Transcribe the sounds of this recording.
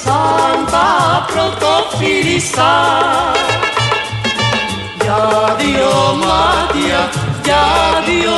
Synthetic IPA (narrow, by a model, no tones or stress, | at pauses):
sant̪apɾot̪ofiɾisa | jaðiomat̪jajaðio